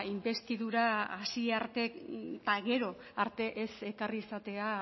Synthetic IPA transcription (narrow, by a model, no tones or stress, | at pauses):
imbe̞st̪iðuɾaasiaɾt̪e̞t̪aɣe̞ɾo̞ | aɾt̪e̞ʔese̞karisat̪e̞a